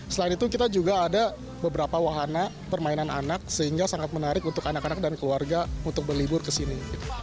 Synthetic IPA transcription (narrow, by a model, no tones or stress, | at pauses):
səlaɪnit̪ukit̪ad͡ʒuɡaːda | bəbəɾapawaɦana | pərmainana̰nak̚səɦiŋɡasaŋat̪̚mənaɾɪkunt̪ʊkanakanak̚dankəluarɡaunt̪ʊk̚bərlibʊrkəsiniɡit̪u̥